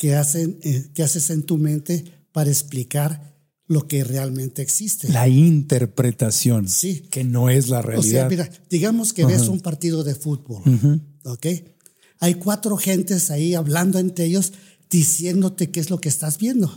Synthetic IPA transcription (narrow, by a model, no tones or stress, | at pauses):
keasenekease̞se̞nt̪umẽnt̪e̞ | paɾaeksplikaɾ | lo̞ke̞re̞almẽnt̪e̞eːksist̪e̞laint̪eɾpɾet̪asjonsikeno̞ezlarḛa̰liseaamiɾad̪̥iɣamo̞skeβesumpaɾt̪iðo̞ðe̞fut̪̚βo̞loke̞j | ajkwat̪ɾo̞xe̞nt̪e̞saiaβland̪o̞e̞nt̪ɾeeʝo̞z | d̪̥isje̞nd̪o̞t̪e̞keezlo̞keːst̪azβje̞nd̪o̞